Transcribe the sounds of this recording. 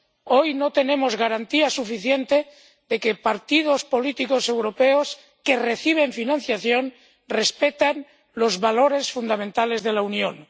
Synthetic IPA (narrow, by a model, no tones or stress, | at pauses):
ojnot̪e̞nẽ̞mo̞zɣaɾant̪iasufiθje̞nt̪e̞ | ðe̞ke̞paɾt̪ið̞o̞spo̞lit̪iko̞se̞wɾo̞peos | ke̞re̞θiβ̞e̞ɱfinãn̟θjaθjon | re̞spet̪an | lo̞zβalo̞ɾe̞sfund̪amẽnt̪ale̞zð̞e̞launjõn